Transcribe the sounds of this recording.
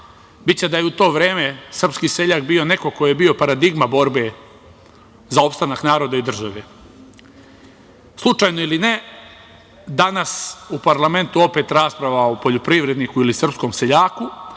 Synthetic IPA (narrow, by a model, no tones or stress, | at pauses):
bit͡ɕe̞d̪ajeut̪o̞ːʋɾeːme̞sr̩pskiːse̞ʎaːkbio̞ne̞koko̞jjebio̞paɾad̪iɡmabo̞ɾbe̞ | zao̞pst̪anaknaːɾo̞d̪aid̪r̩ʒaʋe | slˠut͡ʂajnoiline | d̪anasupaɾlˠame̞nt̪uo̞pe̞t̪ɾaːspɾaʋaopo̞ʎopɾiʋɾe̞d̪nikuilisr̩psko̞mse̞ʎaːku